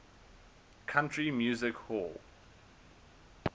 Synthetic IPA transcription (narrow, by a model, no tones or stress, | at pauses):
kʰãntɹ̥imjuːzɪkhɔl